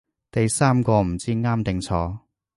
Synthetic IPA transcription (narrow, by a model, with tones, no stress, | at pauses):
t̪ɐ˨jsaː˥mkɔː˧m̩˨˩t͡siː˥ŋaː˥mt̪ɪ˨ŋt͡sʰɔː˧